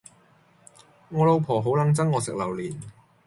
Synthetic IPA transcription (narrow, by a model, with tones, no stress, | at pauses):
ŋɔː˨˧lo˨˧wpʰɔː˨˩ɦo˨˥wlɐ˨˧˥ŋt͡sɐ˥ŋŋɔː˨˧sɪ˨k̚lɐ˨˩wliː˨˩n